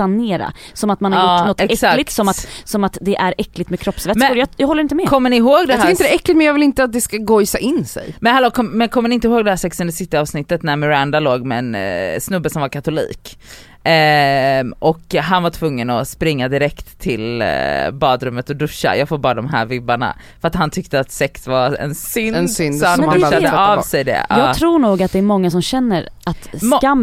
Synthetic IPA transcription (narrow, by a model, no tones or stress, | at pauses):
aneːɾa̰ | sɔmat̪manhajʊnɔt̪ːɛɛsallɪt̪sɔmat̪sɔmat̪d̪ɛʔæɾɛkːlɪɡ̚t̪mɛkʰɾɔpsvɛmɾjajːhɔlːəɾɪnt̪əmɛkʰɔmːənɪɦoːɡd̪ɛɪɾɪnt̪əd̪ɛɛkːlɪt̪mɛnjɑːvɪlɪnt̪əat̪̚d̪ɛskaɡɔjsaʔɪnsɛ̰jmɛnhɛloːkʰɔmɛnkʰɔmːənɪɪnt̪əɦoːɡd̪ɛhæɾsɛksɵnd̪əsɪt̪ːɪɑːvsnɪt̪ːət̪næɾmɛɾand̪aloːɡmɛɛnsnɵbːəsɔmvaɾkʰat̪ʊlḭːk | ʔɔkɦanvaʈʰvɵŋːənɔspɾɪŋːad̪ɪɾɛkt̪ʰːɪlbɑːd̪ɾɵmːət̪ɔd̪ɵʂːa̰jɑːɡfoːɾbɑːɾad̪ɔmɦæ̰ːɾvɪbːaɳa̰ | fœɾat̪hant̪ʰʏkt̪əat̪sɛksvaɾɛ̰nsʏnnsɔhanɵʃad̪əavsɛjd̪ɛ̰ɑːɡ̪ʰɾuːɳuːɡat̪̚d̪ɛːɾmɔŋːasɔmɕɛnːəɾat̪ːmkam